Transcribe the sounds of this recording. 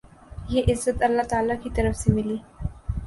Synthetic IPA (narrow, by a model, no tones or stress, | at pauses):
ɦiʔɪzːət̪əlːat̪aaːlakiːt̪əɾəfsemiliː